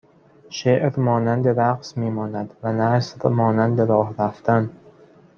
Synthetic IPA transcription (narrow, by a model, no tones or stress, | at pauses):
ʃeʔɾmɒːnænd̪eɾæqsmiːmɒːnæd̪vænæsɾmɒːnænd̪eɾɒːhɾæft̪æn